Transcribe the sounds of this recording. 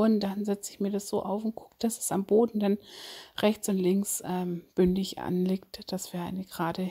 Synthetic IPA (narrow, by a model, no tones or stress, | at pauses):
ʊnd̥anzɛt͡səɪçmiːɐdasz̥oːʔaʊfʊnt̚ɡ̥ʊ̥kd̥asɛsamboːdn̩d̥anʁɛçt͡sʊntlɪŋksʔɛmb̥ʏndɪçʔa̰nliːktd̥asv̥iːɐʔa̰ɪnəɡ̥əʁaːdə